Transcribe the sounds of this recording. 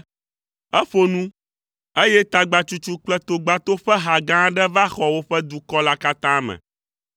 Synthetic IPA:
ɛ˦ɸo˨nũ˦ | e˦jɛ˦t̪a˨ɡ͡ba˨t͡ʃu˦t͡ʃu˦k͡plɛ˦t̪o˨ɡ͡ba˨t̪o˦ɸɛ˦ɦa˨ɡã˦ɖɛ˦va˦xɔ˨wo˦ɸɛ˦d̪u˨kɔ˦la˦ka˦t̪ã˦mɛ̰̃˨

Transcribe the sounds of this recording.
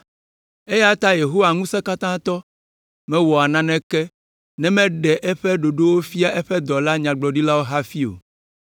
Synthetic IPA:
e˦ja˦t̪a˦je˨ɦo˦wa˨ŋũ˦sɛ̃˦ka˦t̪ã˦t̪ɔ˦ | mɛ̃˦wɔ˨a˨nã˦nɛ̃˦kɛ˦ | nɛ̃˦mɛ̃˦ɖɛ˨ʔɛ˦ɸɛ˦ɖo˨ɖo˦wo˦fi˦a˦ʔɛ˦ɸɛ˦d̪ɔ˨la˦ɲã˨ɡ͡blɔ˨ɖi˦la˦wo˦ɦa˦fi˦o̰˨

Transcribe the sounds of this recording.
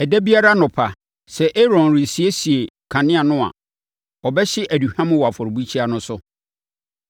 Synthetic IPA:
ɛ˨dæ˦bi˦a˦ɾa˦nʊ̃˨pʰa˨ | sɛ˨ʔe˦ɾɔ̃˨nɾi˨si˨e˦si˨e˨kʰã˨nɪ̃˦a˨nʊ̃˦a̰˨ | ɔ˨bɛ˦ɕɪ˦ʔæ˨du˨hã˦mʊ̃˦wɔ˨a˨fɔ˨ɾbu˦t͡ɕʰi˦a˨nʊ̃˦sʊ˦

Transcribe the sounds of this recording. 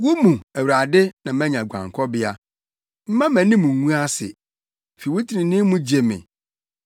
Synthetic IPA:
wʊ˦mũ˨æ˨wɾa˨dɪ˦nã˨mɛ̃˦ɲã˨ɡʷã̰˨ŋ˨kʰɔ˦bɪ˦a˦ | m̩˦mã˦mæ̃˨nɪ̃˦mũ˨ŋũ˦a˦sɪ̰˨ | fi˨ʊ˦tʰi˨nɪ̃˨nĩ˦mũ˦d͡ʑi˨e˨mɪ̰̃˨

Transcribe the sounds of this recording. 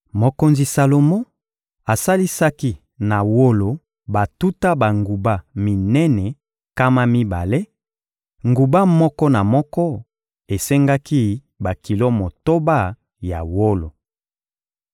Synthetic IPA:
mo˨ko˨nzi˨sa˨lo˨mo˦ | a˨sa˦li˦sa˦ki˦ | na˨wo˦lo˨ | ba˨tu˦ta˦ba˨ŋɡu˨ba˦mi˨nɛ˦nɛ˨ | ka˦ma˦mi˦ba˨le˦ | ŋɡu˨ba˦mɔ˦kɔ˦na˨mɔ˦kɔ˦ | e˨sɛ˦ŋɡa˦ki˦ | ba˨ki˨lo˦mo˨to˦ba˦˨ | ja̰˨wo˦lo˨

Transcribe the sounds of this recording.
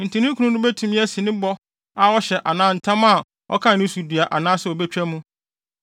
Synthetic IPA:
n̩˨tʰĩ˨nĩ˦ŋ˦kʰũ˨˦ʊ̃˦nʊ̃˦be˦tʰũ˨mĩ˦æ˦sĩ˨nɪ̃˦bɔ˦ | a˨wɔ˦ɕɛ˨ʔa˨nãː˦n̩˨tʰã˦ma˦˨ | ɔ̰˦kʰã˦˨nɪ̃˦su˨dɥa˨ʔa˨nãː˦sɛ˨ɔ˨be˦t͡ɕᶣæ˦mũ˦

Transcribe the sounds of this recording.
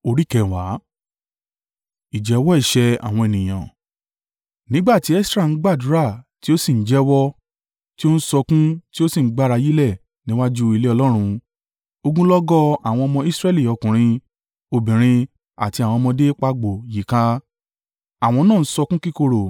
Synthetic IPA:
o˧ɾi˦kɛ˨wa˨˦ | i˨d͡ʒɛ˨˦wɔ˦i˦˨ʃɛ˧a̰˨w̃ɔ̃˧e˨nĩ˨j̃ã̰˨ | nĩ˦ɡ͡ba˦˨ti˨˦ɛ˦sɾa˦˨˦ɡ͡ba˦˨du˨˦ɾa˦˨ti˦o˦sĩ˦˨n̩˨˦d͡ʒɛ˦wɔ˦ | ti˦o˦n̩˦sɔ˧kũ˦ti˦o˦sĩ˦˨˦ɡ͡ba˦ɾa˧ji˦lɛ˦˨ | nĩ˦wa˦d͡ʒu˦i˧le˦ɔ˧lɔ˦ɾ̃ũ˧ | o˧ɡũ˦lɔ˦ɡɔ˦a˨w̃ɔ̃˧ɔ˧mɔ̃˧i˦sɾɛ˦˨li˨ɔ˧kũ˨ɾ̃ĩ˧ | o˧bĩ˨ɾ̃ĩ˧ | a̰˨ti˧a˨w̃ɔ̃˧mɔ̃˧de˦k͡pa˧˦ɡ͡bo˨ji˨kã˧ | a˨w̃ɔ̃˧nãː˦˨˦sɔ˧kũ˦ki˦ko˦˧ɾo˨

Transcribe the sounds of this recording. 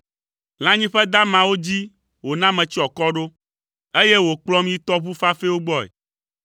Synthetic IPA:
l̃ã˦ɲĩ˦ɸɛ˦d̪ã˦mã˨wo˦d͡ʑi˦ | wo˨nã˦mɛ̃˨t͡ɕi˦ɔ˨kɔ˦ɖo˦ | e˦je˦wo˨k͡plɔ˦mĩ˦t̪ɔ˦βu˦fa˦fe˦wo˦ɡ͡bɔ˦ḛ˨

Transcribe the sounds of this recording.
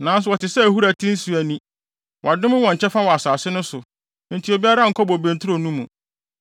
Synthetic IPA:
nã˨˦n˦s̬ʊ˨wɔ˨tɪ˨sɛ˦˨hu˦ɾæ˨tʰĩ˦n̩˦su˨æ˨nĩ˦ | wɔ˨a˨dʊ̃˦mɪ̃˦wɔ̃˨ɲ̩˨t͡ɕʰɛ˦fa˦wɔ˨a˨saː˨sɪ˦nʊ̃˦sʊ˨ | n̩˨tʰi˨o˨bi˦a˦ɾa˦ŋ̩˨kʰɔ˦bɔ˨bẽ˨n˨tʰʊ˦ɾo˨nũ˦mũ˨

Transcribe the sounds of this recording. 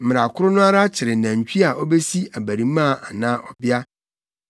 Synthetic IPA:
m̩˨mɪ̃˨ɾa˨kʰʊ˦ɾʊ˦nʊ̃˦a˦ɾa˦t͡ɕʰɪ˨ɾɪ˨nã˨ɲ̩˨t͡ɕᶣʰi˦a˨ʔɔ˦be˦si˦a˨bæ˨ɾĩ˨˦mã˦˨ʔa˨nã˦ʔɔ˨bɪ˦a˦

